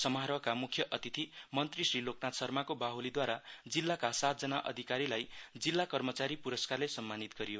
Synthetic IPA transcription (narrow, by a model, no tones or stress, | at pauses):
sʌmaɦɾʌkamukʰːjʌʔʌt̪it̪ʰimʌnt̪risriloknat̪sʌrmakobaɦulid̪waɾad͡zilːakasat̪̚d͡zʌnaʔʌ̰d̪ʱikaɾilajd͡zilːakʌrmʌt͡saɾipuɾʌskarlesʌmːanit̪ɡʌɾijo